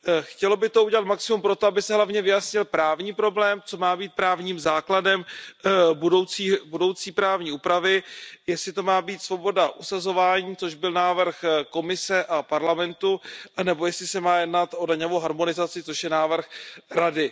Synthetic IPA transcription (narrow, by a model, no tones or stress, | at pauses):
xcɛlobɪt̪ouɟɛlat̪̚maksɪmumpɾo̞t̪oabɪsɛɦlavɲɛvɪjasɲɪlpɾaːvɲiːpɾo̞blɛːmt͡so̞maːbiːt̪̚pɾaːvɲiːmzaːkladɛm | budo̞wt͡siːbudo̞wt͡siːpɾaːvɲiːuːpɾavɪjɛslɪt̪o̞maːbiːt̪svo̞bo̞daʔusazo̞vaːɲiːt͡so̞ʒbɪlnaːvr̩xko̞mɪsɛʔapaɾlamɛnt̪unɛbo̞jɛslɪsɛmaːjɛdnat̪ʔo̞daɲovowɦaɾmo̞nɪzat͡sɪt͡so̞ʃjɛnaːvr̩xɾadɪ